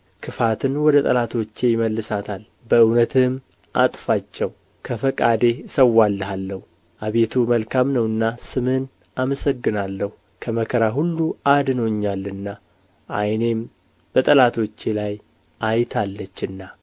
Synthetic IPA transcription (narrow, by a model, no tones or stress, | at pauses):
kʰɨfat̪ʰɨnwɔd̪ət̪ʼəlat̪ʰo̞t͡ʃːe̞jɪməlːɨsat̪ʰal | bəɨwnət̪ʰɨm | ʔat̪ʼfat͡ʃːɛw | kʰəfəkʼad̪e̞səwːalːəɦalːəhu | ʔaβe̞t̪ʰuməlkʰamnəwɨnːasɨmɨn | aməsəɡːɨnalːəhu | kʰəməkʰəɾaɦulːuad̪noɲːalːɨnːa | ʔa̰jne̞m | b̥ət̪ʼəlat̪ʰo̞t͡ʃːe̞laj | ʔajt̪ʰalːət͡ʃːɨnːa